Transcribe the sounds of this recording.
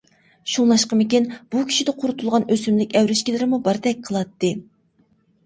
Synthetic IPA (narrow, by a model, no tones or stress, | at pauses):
ʃuŋlˠɑʃqəmɪkʲinb̥ukʲʰi̥ʃid̪ɪqʰʊɾut̪ʰulˠʁɑnøsymlɪkʲɛwɾɪʃkʲilɪɾɪmubɑɾt̪ʰɛk̚ʲqʰəlˠɑt̪ːɨ